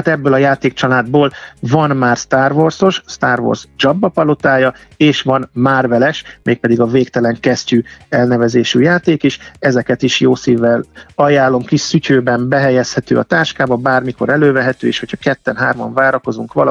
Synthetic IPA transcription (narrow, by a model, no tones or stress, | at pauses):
at̪ɛbːøːlɒjaːt̪eːk̚t͡ʃɒlaːd̪boːlvɒnmaːrst̪aːrvorso̞ʃst̪aːrvo̰rzd͡ʒɒbːɒpɒlo̞t̪aːjɒeːʃʋɒnmaːrvɛlɛʃmeːk̚pɛd̪iɡɒveːkt̪ɛlɛŋkɛscyɛlnɛvɛzeːʃyjaːt̪eːkiʃɛzɛkɛt̪iʃjoːsiːvːɛlɒjaːlːo̞mkisycøːbɛmbɛɦɛjɛshɛt̪ø̰ːɒ̰t̪aːʃkaːbɒbaːrmiko̞ɾɛløːvɛɦɛt̪øːeːʃho̞cʰɒkɛt̪ːɛnɦaːrmɒ̰ɱvaːɾɒko̞zuŋkʋɒl